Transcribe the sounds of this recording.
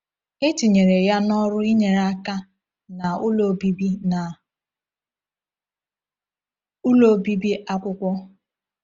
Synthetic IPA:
ɪ˦ti˨ɲe˨ɾe˨ja˦nɔ˦ɾʊ˦i˦ɲe˨ɾa˦ka˦ | na˨ʊ˦lo˨bi˦bi˦na˨ | ʊ˦lo˨bi˦bi˦ʔa˦kʷʊ˦kʷɔ˦

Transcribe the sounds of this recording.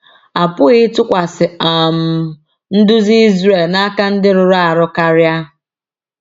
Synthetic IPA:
a˨pʊ˦ɣɪ˦tʊ˦kʷa˨sɪ˨a˨m̩˨ | n̩˦dʊ˦zi˦i˦zɾe˨lna˦ka˦n̩˦dɪ˦ɾʊ˨ɾa˨ɾʊ˦ka˦ɾja˦

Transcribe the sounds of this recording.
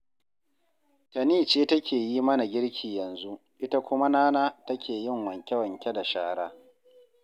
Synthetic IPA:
tɐ˨niː˦t͡ʃeː˦tɐ˦kʲʰeː˨ji˦mɐ˦na˨ɡʲɪ˦ɽkʲʰiː˨jɐ˨nzu˦ʔɪ˦ta˦kʷʊ˦ma˦naː˦naː˦tɐ˦kʲʰeː˨jɪ˦˨ŋwɐ˨ŋkʲe˦wɐ˨ŋkʲe˦da˨ʃaː˦ɽaː˦

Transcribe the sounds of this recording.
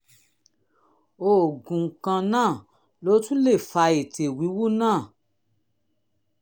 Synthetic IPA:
o˨ɡũ˨ŋ̩˨kã˧nãː˦˨ | lo˨˦tũ˦le˦˨fa˧e˨te˨wi˨˦wu˦nãː˦˨

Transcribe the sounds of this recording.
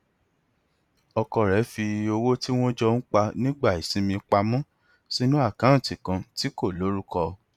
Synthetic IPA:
ɔ˧kɔ˧ɾɛ˨˦fi˧o˧wo˦ti˦w̃ɔ̃˦d͡ʒɔ˧n̩˦k͡pa˧nĩ˦ɡ͡ba˦˨i˨sĩ˨˦mĩ˧k͡pa˧mɔ̃˦ | si˦nũ˦a˦˨kã˨˦˨ti˨kã˧ti˨˦ko˦˨lo˨˦ɾu˦kɔ˧

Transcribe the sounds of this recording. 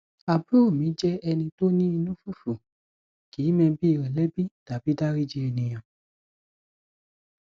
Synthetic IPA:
a˨bu˦o˦˨mĩ˨˦d͡ʒɛ˦ɛ˧nĩ˧to˦nĩ˦i˧nũ˦fu˦˨fu˨ | ki˨˦mɛ̃˧bi˦i˨ɾɛ˨lɛ˦bi˦d̥a˨bi˨˦da˦ɾi˦d͡ʒi˦ɛ˧nĩ˧j̃ã˨

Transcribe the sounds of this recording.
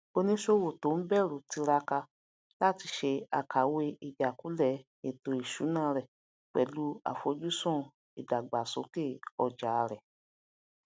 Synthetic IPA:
o˧nĩ˦ʃo˦˨wo˨to˨˦m̩˦bɛ˦˨ɾu˨ti˧ɾa˧ka˧ | la˦ti˧ʃe˧a̰˨kʰa˨˦we˧i˨d͡ʒa˨ku˨˦lɛ˦˨ | e˨to˨i˨ʃu˨˦nãː˦˨˦ɾɛ˨ | k͡pɛ̰˨lu˨˦a̰˨fo˧˦d͡ʒu˦sɔ̃˦˨ | i˨da˨ɡ͡ba˨so̰˨˦ke˦˨ɔ˨d͡ʒa˨˧ɾɛ˨

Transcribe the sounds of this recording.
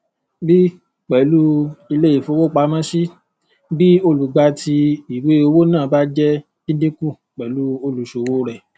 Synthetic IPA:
bi˦ | k͡pɛ˨lu˦i˧le˦i˦˨fo˨˧wo˦k͡pa˧˦mã˦ʃi˦ | bi˦o˧lu˨ɡ͡ba˧ti˧i˨we˨˦o˧wo˦nãː˦˨ba˦d͡ʒɛ˦ | ĩ˦dĩ˦ku˦˨ | k͡pɛ˨lu˦o˧lu˨ʃo˨wo˦ɾɛ˦˨

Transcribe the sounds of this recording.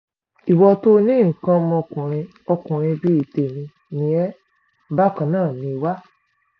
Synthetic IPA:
i˨wɔ˧to˦nĩ˦ŋ̩˨kã˧mɔ̃˧kũ˨ɾ̃ĩ˧ | ɔ˧kũ˨ɾ̃ĩ˧bi˦i˦˨te˨mĩ˧ | nĩ˧˦ɛ˦ | ba˦˨kã˧nãː˦˨nĩ˧wa˦

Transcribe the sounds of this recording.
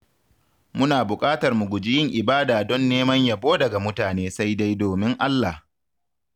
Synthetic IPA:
mʊ˦naː˨bʊ˨kʼaː˦tɐ˨rmʊ˨ɡʷʊ˨d͡ʒɪ˦jɪ˦˨ŋʔɪ˨baː˦daː˨dɔ˦nːeː˦mɐ˦ɲja˦boː˦dɐ˨ɡa˨mʊ˦taː˨neː˦sa˦jda˦jdoː˨mɪ˦ŋʔa˦lːa˨h

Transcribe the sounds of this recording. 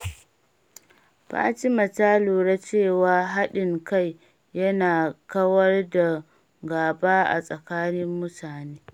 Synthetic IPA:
ba̰ː˦t͡ʃi˦mɐ˨taː˦loː˨ɽa˦t͡ʃeː˦˨waː˨ɦa˦ɗɪ˨ŋka˦˨j | jɐ˦naː˨kɐ˦wɐ˦rda˨ | ɡaː˨baː˦ʔa̰˨sʼɐ˨kaː˦nɪ˦mːʊ˦taː˨neː˦

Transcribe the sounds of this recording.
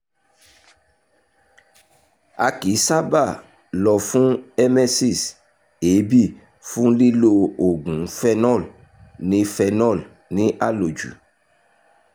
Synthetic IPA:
a̰˨ki˨˦sa˦ba˦˨ | lɔ˨fũ˦ɛ˦mɛ˦si˦˨s | e˨˦bi˦˨ | fũ˦li˦lo˧o˨ɡũ˨˦fɛ˧nɔ˦˨l | nĩ˨˦fɛ˧nɔ˦˨l | nĩ˦ʔa˦lo˨d͡ʒṵ˨

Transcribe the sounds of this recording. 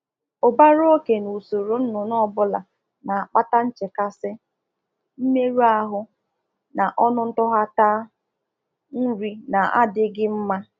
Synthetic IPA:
o˨ba˦ɾo˦ke˨nu˨so˨ɾo˨n̩˦nʊ˨nɔ˦˨bʊ˦la̰˨ | na˨a˨k͡pa˦ta˦n̩˦t͡ʃe˨ka˦sɪ˦ | m̩˦me˦ɾu˦a˦ɦʊ˦ | na˨ʔɔ˦nʊ˦n̩˦tʊ˦ɦa˦ta˦ | n̩˦ɾi˦na˨a̰˦dɪ˦ɡɪ˦m̩˦ma˦

